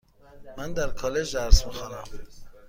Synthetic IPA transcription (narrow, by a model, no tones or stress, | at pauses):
mænd̪æɾkʰɒːle̞d͡ʒd̪æɾsmixɑːnæ̰m